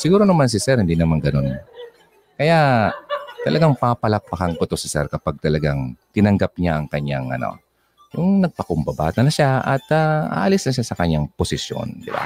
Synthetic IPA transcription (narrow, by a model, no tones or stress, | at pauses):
sɪɡuːɾonɐmans̬ɪsɛɾhɪnd̪iːnɐmaŋɡɐno̞n | kɐja | t̪ɐlʔɐɡaŋpapɐlak̚pɐkaŋkot̪osɪsɛ̰ɾkɐpaɡ̚t̪ɐlɐɡaŋt̪ɪnɐŋɡap̚ɲaʔɐŋkɐɲːaŋʔɐ̰no̰ | jʊŋnɐɡ̚pɐkʊmbɐba̰ːt̪ɐnɐʃaʔɐt̪aʔa̰ːʔɐlisnɐʃasɐkɐɲaŋposɪsjo̰nd̪ɪba̰